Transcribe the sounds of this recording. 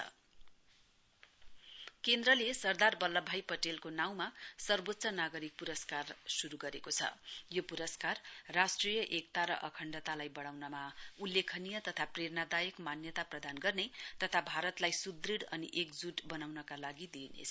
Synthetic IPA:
ʌ̰ | kend̪ɾʌlesʌrd̪arbʌlːʌbʱajpʌʈelkonaw̃masʌrbot̪ːsʌnaɡʌɾik̚puɾʌskarsuɾuɡʌɾekot͡sʰʌ̰jopuɾʌskarːasʈrijʌʔek̚t̪aɾʌ̰ʔʌkʰʌɳɖʌt̪alajbʌɽawnʌmaulːekʰʌnijʌt̪ʌt̪ʰaprernad̪ajʌkmanjʌt̪aprʌd̪anɡʌrnet̪ʌt̪ʰabʱaɾʌt̪lajsud̪riɽʌniʔekd͡zuʈbʌnawnʌkalaɡid̪inḛt͡sʰ

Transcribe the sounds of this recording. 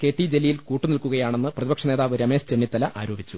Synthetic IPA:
ke̞ːʈːid͡ʑelːijilkuːʈːɨnilkuɣɐjaːɳe̞nːɨprɐðibɐkʂɐne̞ːðaːʋɨɾɐme̞ːɕt͡ɕe̞nːjit̪ːɐlɐʔaːɾuoːbit͡ɕːu

